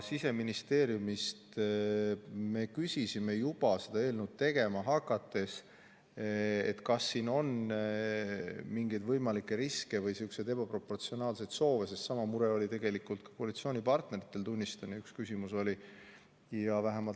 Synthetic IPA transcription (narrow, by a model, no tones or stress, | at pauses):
sise̞minist̪e̞ːɾjumist̪ | me̞kysʲisime̞jub̥ɑse̞d̪̥ɑe̞ːlnut̪t̪e̞ɡ̥e̞mɑɦɑkːˑɑt̪ːe̞s | e̞̰t̪kɑsːiːno̞n | miŋɡ̥ejd̪vɤjmɑlikːˑe̞ɾiske̞vɤjsukse̞d̪e̞b̥ɑpro̞pːo̞rt̪sio̞nɑːlse̞t̪so̞ːve̞sest̪sɑmɑmuɾeo̞lit̪e̞ɡ̥e̞likːˑult̪̚kɑ̥koɑlit̪sio̞ːnʲipɑrt̪ne̞ɾit̪ːˑe̞lt̪unʲːist̪ɑnuykskysimuso̞lʲi | jɑvæɦemɑl